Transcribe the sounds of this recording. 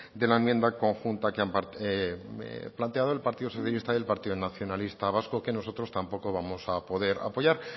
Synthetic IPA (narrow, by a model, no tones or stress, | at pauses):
d̪e̞laemje̞nd̪ako̞ŋxunt̪akeampe | plant̪e̞aðo̞e̞lpaɾt̪iðo̞so̞θjalist̪aje̞lpaɾt̪iðonaθjo̞nalist̪aβaskoke̞no̞so̞t̪ɾo̞st̪ampo̞ko̞β̞amo̞sapo̞ðe̞ɾa̰po̞ʝaɾ